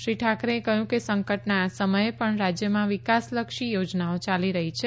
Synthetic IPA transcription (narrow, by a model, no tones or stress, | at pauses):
ʃɾiʈʰakɾeekəɦjũkesə̃ŋkəʈnaːsəməjepəɳɾad͡ʒjəmãʋikasləkʃijod͡ʒnaot͡ʃaliɾəɦit͡ʃʰe